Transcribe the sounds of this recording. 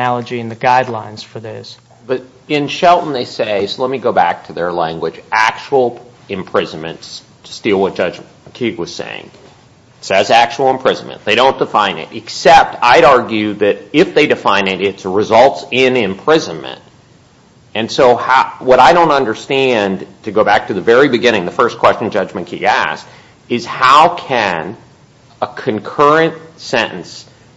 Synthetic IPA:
ælˠəd͡ʒiɨ̃nðɨɡaɪdˡlã̰ɪ̃nz̥fə˞ðɪz̥ | b̥ʌɾ | ɪ̃nʃɛlˠʔn̩ðeɪseɪsoʊlɛt̚miɡoʊbæk̚tʰɨðə˞læ̃ŋɡwɨd͡ʒʔæk̚t͡ʃul̩ˠ | ɨ̃mpʰɹ̥ɪz̃n̩mɨ̰̃ns | stilˠwʌt̚d̥ʒ̥ʌ̥d͡ʒ | kʰiɡwʌz̥sḛɪɪ̰̃ŋ | sɛzæk̚t͡ʃuwl̩ˠə̃mpʰɹ̥ɪz̃n̩mɨ̰̃nðeɪɾõʊ̃nd̥əfãɪ̃nɪ̰ɾɨksɛp̚tʰaɪɾɑɹɡjʉðɨɾɪfðeɪdɨfãɪ̃nɪɾɪtsɹɨzʌlˠtsɪ̃nɪ̃mpʰɹ̥ɪzɨ̃nmɨ̰̃nt̚ | ɨ̃nsoʊhawʌɾaɪɾõʊ̃ntʌ̃ndə˞stæ̃ntʰɨɡoʊbæk̚tʰɨðɨvɛɹibɨɡɪ̃ɾ̃ɪ̃ŋðəfɜ˞skʰw̥ɛst͡ʃn̩d͡ʒʌd͡ʒmɨ̃nkʰḭɡæ̰st | ɨz̥haʊkʰɨ̃n | əkʰɨ̃nkʰɜ˞ɨ̃ntsɛ̃nʔn̩s

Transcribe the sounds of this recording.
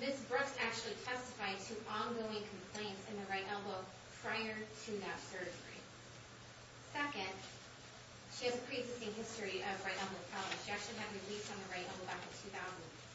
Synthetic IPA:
mɪsb̥ɹʊksæk̚t͡ʃʉl̩ˠitʰɛstɨfaɪd̚tʰɨʔɑ̃nɡoʊɪ̃ŋkʰm̩pʰl̥ẽɪ̃ntsɨ̃nðɨɹaɪɾʔɛlˠbə̃ | pʰɹ̥aɪə˞tʰɨðɨtsɜ˞di | sɛkɨ̃nd̥ | ʃiɨzɨkʰɹ̥izɨsɪ̃ŋɦɪstɹ̥iʔʌvɹaɪɾɛlˠbə̃pʰaʊə̃ʃiæk̚t͡ʃʉl̩ˠiɨvɹɨlistn̩ðəɹaɪɾɛlˠb̩̃bækɨ̃nv̥tʰʉθaʊzn̩

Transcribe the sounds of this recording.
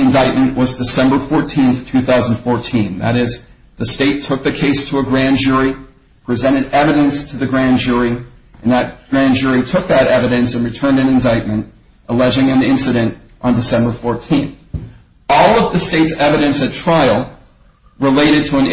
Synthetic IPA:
ɨ̃ndaɪt̚mɨ̃nʔwʌzdɨsɛ̃mbə˞fɔɹtʰĩnθtʰʉθaʊzn̩d̥fɔɹtʰĩnðɨɾɪz | ðɨsteɪtʰʊk̚ðɨkʰeɪstʰəəɡɹæ̃nd͡ʒʊɹi | pʰɹ̥ɨzɛ̃ɾ̃ɨɾɛvɨɾɨ̃nstʰɨðɨɡɹæ̃nd͡ʒʊɹi | ʔɨ̃nðɨt̚ɡ̥ɹæ̃nd͡ʒʊɹitʰʊk̚ðɨɾɛvɨɾɨ̃nsɨ̃n̩ɹɨtʰɜ̃˞ndɨ̃nɨ̃ndaɪt̚mɨ̃n | ʔəlɛd͡ʒɪ̃ŋɨ̃nɪ̃nsɨɾɨ̃nt | ʔn̩dɨsɛ̃mbə˞fɔɹtʰĩnθ | ɔlˠʌvðɨsteɪtsɛvɨɾɨ̃nsɨtʰɹ̥aɪl̩ˠ | ɹɨleɪɾɨd̚tʰəə̃n

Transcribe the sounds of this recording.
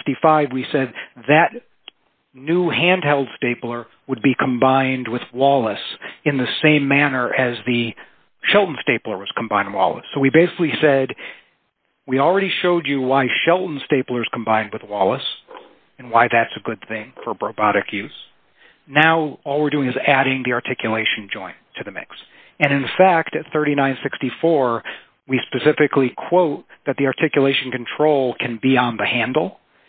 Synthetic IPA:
ftifaɪvwisɛd̪̚ðɨtⁿ | nuhæ̃ndhɛlˠd̥steɪplˠə˞ | wəd̚bikʰm̩bãɪ̃nd̚wɨðwɔlˠəsɨ̃nðɨsẽɪ̃mːænə˞ʔɨzðɨ | ʃɛlˠʔn̩steɪplˠə˞wʌz̥kʰm̩bãɪ̃nd̚wɔ̰lˠə̰sːoʊwibeɪsɪ̥klisɛd̚ | wil̩ˠɹɛɾiʃoʊd͡ʒɨwaɪʃɛlˠʔn̩steɪplˠə˞ɨz̥kʰm̩bãɪ̃nd̚wɨðwɔlˠəs | ɨ̃nwaɪðætsɨɡʊd̪̚θɪ̃ŋfə˞bɹoʊbɑɾɨkʰjʉz̥ | naʊɔlˠwɨɹdʉɪ̃ŋɨzæɾɪ̃ŋðiɑɹtʰɪkjɨleɪʃn̩d͡ʒɔ̃ɪ̃ntʰɨðɨmɪ̰ks | ɨ̃ñɨ̃nfæk̚tɨt̪̚θɜ˞ɾinãɪ̃nsɪkstifɔɹ | wispɨsɪfɨklikʰw̥oʊt̪̚ðɨt̪̚ðiɑɹtʰɪkjəleɪʃn̩kʰɨ̃n̩tʰɹ̥oʊlˠkʰɨ̃nbiə̃nðɨhæ̃ndˡl̩ˠ

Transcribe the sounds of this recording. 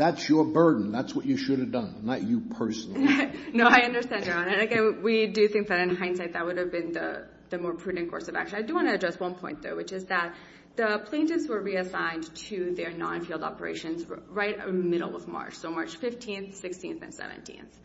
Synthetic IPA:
ðætsjə˞bɜ˞dⁿn̩ðætswʌt͡ʃɨʃʊɾɨvdʌ̃nːət͡ʃɨpʰɜ˞sn̩ˠnoʊaɪʌ̃ndə˞stæ̃ndə˞ɑ̃nɨ̃nɨɡɛ̃nwidɨθɪ̃ŋk̚ðɨɾɨ̃nɦãɪ̃nsaɪt̪̚ðɨt̚wʊɾɨvbɨ̃nðə̰ | ðɨmɔɹpʰɹ̥ʉdⁿn̩kʰɔ̰ɹsʌvæ̰kʃɨ̃naɪdɨwɑ̃ñɨɨdɹɛst̚wʌ̃npʰɔ̃ɪ̃nðo̰ʊwɨt͡ʃɨzðət̪̚ | ðəpʰl̥ẽɪ̃ntɨvzwə˞ɹiɨsãɪ̃ntʰɨðə˞nɑ̰̃nfilˠdɑ̰pə̰˞ḛɪʃɨ̃nzɹaɪɾə̰mɪɾl̩ˠʌ̰vmɑ̰ɹt͡ʃsoʊmɑɹt͡ʃfɪftʰĩnθsɪkstʰĩnθɨ̰̃nsɛ̰vɨ̰̃ntʰḭ̃nθ

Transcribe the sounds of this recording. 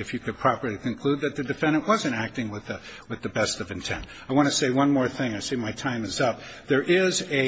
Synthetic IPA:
ɨfjɨkʰɨd̚pʰɹ̥ɑpə˞lˠikɨ̃nkʰl̥ud̪̚ðɨt̪̚ðɨdɨfɛ̃ndɨ̃nʔwʌzɨ̃ntæk̚tɪ̃ŋwɪðɨwɨðɨbɛstʌvɨ̃ntʰɛ̰̃nt | aɪwɑ̃ɾ̃ɨseɪwʌ̃nmɔɹθɪ̃ŋaɪseɪmaɪtʰãɪ̃mɨzʌp̚ðə˞ʔɪzɨ

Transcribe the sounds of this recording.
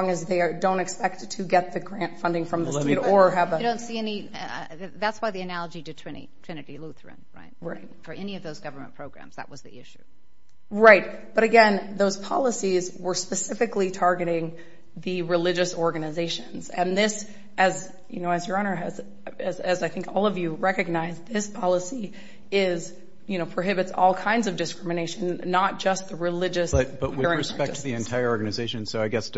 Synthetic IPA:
ŋɨzðeɪdõʊ̃ntɨkspɛk̚ttʰɨɡɛt̪̚ðɨɡɹæ̃ntfʌ̃ndɪ̃ŋfɹʌ̃mðəseɾə˞ɨvədõʊ̃ntsiɛni | ðætswaɪðiɨnælˠəd͡ʒiɾɨtʰɹ̥ɪnḭtʰɹ̥ɪ̃nɨɾiluθɹɨ̰̃nɹa̰ɪt̚ɹaɪt̚fə˞ʔɛniʌvðoʊzɡʌvə˞mə̰̃npʰɹ̥oʊɡɹæ̰̃mz̥ðə̰ʔ̚wʌzðḭɪʃʉ̥ | ɹaɪt̚ | b̥ʌɾɨɡɛ̃nðoʊz̥pʰɑ̰lˠəsizwə˞spɨsɪfɨklitʰɑɹɡɨɾɪ̃ŋ | ðɨɹɨlɪd͡ʒɨsɔɹɡɨnɨzeɪʃɨ̃nzɨ̰̃nðɪs | ʔɨz | jɨ̰noʊɨzjə˞õʊnə˞ɨz | ɨzɨzaɪθɪ̃ŋkʰɔlˠʌvjɨɹɛkɨɡ̚naɪzðɪspʰɑlˠəsi | ɪz | jɨnoʊpʰɹ̥oʊɦɪbɨtsɔ̰lˠkʰãɪ̃ndzʌvdɨskɹ̥ɪ̃mɨneɪʃɨ̃nːət̚d̥ʒ̥ʌst̪̚ðɨɹɨlɪd͡ʒɨsbʌt̚b̥ʌt̚wɨɹɪ̃ɹɨspɛktʰɨðiɨ̃ntʰaɪə˞ɔɹɡɨnɨzeɪʃɨ̃nsoʊaɪɡɛs

